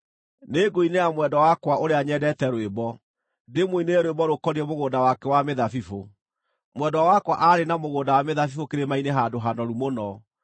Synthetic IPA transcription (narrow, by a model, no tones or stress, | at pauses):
neɡoineamwɛdɔwakwaoɾeaɲɛdɛtɛɾwebɔ | demwoineɾwebɔɾokɔɾiɛmoɣoːndawakɛwameðafifo | mwɛdɔwakwaʔaɾenamoɣoːndawameðafifokeɾemaineɦadoɦanɔɾumonɔ